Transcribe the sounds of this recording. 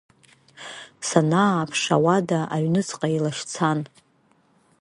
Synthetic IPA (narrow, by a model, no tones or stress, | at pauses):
sanaːpʰʂa̰wadaʔaɥnɨt͡sʰʼqʼailaʂt͡sʰan